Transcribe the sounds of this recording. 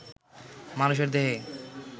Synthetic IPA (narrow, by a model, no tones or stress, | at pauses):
manuʃ̬eɾd̪eɦe